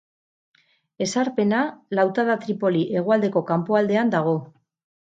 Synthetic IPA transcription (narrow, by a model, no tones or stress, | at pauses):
e̞saɾpe̞nalawt̪aðat̪ɾipo̞liʔe̞ɣ̞oald̪e̞ko̞kampoald̪e̞and̪aɣ̞o̞